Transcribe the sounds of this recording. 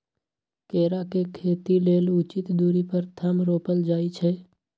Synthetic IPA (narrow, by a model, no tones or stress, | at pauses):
keːɾakekʰeːt̪ileːlʊt͡ʃɪt̪d̪uːɾipəɾt̪ʰəmɾoːpəld͡ʒaːit͡ʃʰɛː